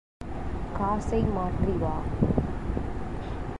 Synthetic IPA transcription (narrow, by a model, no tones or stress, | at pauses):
kaːsɐɪmaːʈriʋaː